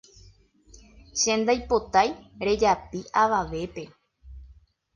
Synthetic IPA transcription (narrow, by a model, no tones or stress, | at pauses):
ʃẽ̞nd̪ajpo̞t̪ajɾe̞d͡ʒapiʔaʋaʋe̞pe̞